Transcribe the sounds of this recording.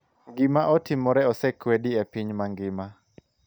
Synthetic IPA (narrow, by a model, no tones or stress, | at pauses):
ŋɡɪmaʔɔtɪmɔɾɛɔsɛkwediɛpiɲmaŋɡɪma